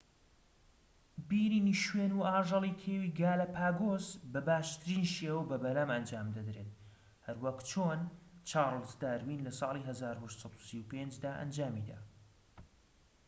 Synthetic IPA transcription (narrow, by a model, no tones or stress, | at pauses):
biːɾiːniʃweːnuaːʒɑlˠikʰeːwiːɡaːlapʰaːɡoːzbɐbaːʃt̪ʰɨɾinʃeːwəbɐbɐlamɐnd͡ʒaːmd̪ɐd̪ɾet̪ | hɐɾwɐkt͡ʃʰoːnt͡ʃʰɑːɾˤɨlt̪d̪aːɾwiːnlɐsˤɑːlˠiɦɐzaːɾuhɛʃt̪sˤɑt̪usiwpend͡ʒd̪aːʔɐ̰nd͡ʒaːmid̪a̰ː